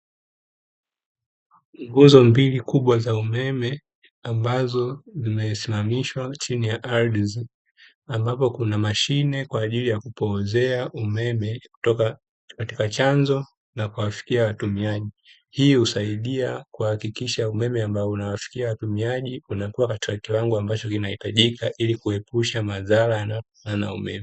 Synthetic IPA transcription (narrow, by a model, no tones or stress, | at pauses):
ŋɡuzɔmbilikuɓwazaumɛmɛ | ambazɔzimɛsimamiʃwat͡ʃinijaʔadz | ambapɔkunamaʃinɛkwaːʄilijakupɔːzɛaʔumɛmɛɔka | katikat͡ʃanzɔ | nakuwafi̥kiawatumiaʄi | hiːhusaiɗiakuhakikiʃaumɛmɛambaɔunawafi̥kiawatumiaʄiunakuwakati̥kakiwaŋɡuambat͡ʃɔkinahitaʄikaʔilikuɛpuʃamaðalajanaɔkanana̰ṵmɛ̰mɛ